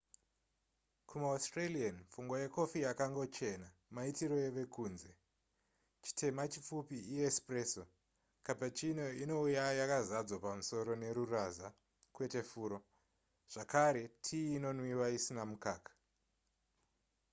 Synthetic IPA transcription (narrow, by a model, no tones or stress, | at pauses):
kumaostralianfuŋɡoje̞ko̞fijakaŋɡo̞t͡ʃe̞namaitiɾo̞je̞ʋe̞kuːnze̞ | t͡ʃi̥tʰe̞mat͡ʃip͡fupiijespre̞so | kapat͡ʃino̞ino̞ujajakazad͡zwapamuso̞ɾo̞ne̞ɾuraza | kwe̞te̞fuːɾo̞ | ʐ̥akaɾe̞tʰiːno̞nwiwaisinamukaːkḁ